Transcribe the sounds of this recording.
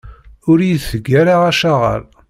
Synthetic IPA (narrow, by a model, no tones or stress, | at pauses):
ʊɾjiθɡæɾaʁaʃaʁə̰ɾ